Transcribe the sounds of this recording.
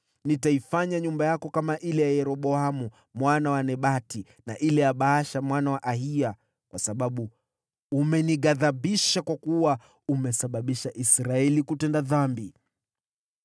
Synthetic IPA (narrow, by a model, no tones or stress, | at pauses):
nitaifaɲaɲumbajakɔkamaʔilɛjajɛɾɔɓɔamu | mwanawanɛɓati | naʔilɛjaɓaaʃamwanawaʔaɦia | kwasaɓaɓuː | mɛniɠaðaɓiʃakwakuwa | umɛsaɓaɓiʃaʔisɾaɛlikutɛndaðambi